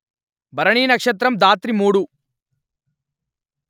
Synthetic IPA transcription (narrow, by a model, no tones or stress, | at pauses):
bɐɾɐɳiːnɐkʂɐt̪ɾɐmd̪aːt̪ɾimuːɽu